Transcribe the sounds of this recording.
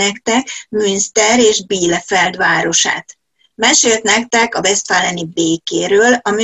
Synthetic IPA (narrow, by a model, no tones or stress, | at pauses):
ɛkt̪ɛkmynst̪ɛɾeːʒbiːlːɛfɛld̪ʋaːɾo̞ʃa̰ːt̪ | mɛʃeːlt̪nɛk̚t̪ɛkɒbɛst̪faːlɛnibeːkeːɾøːlɒmy